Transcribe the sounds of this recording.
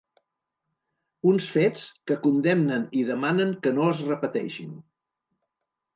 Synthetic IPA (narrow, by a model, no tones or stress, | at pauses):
unsfet͡skəkund̪ɛmnəniðəmanəŋkənoəzrəpət̪ɛ̰ʃin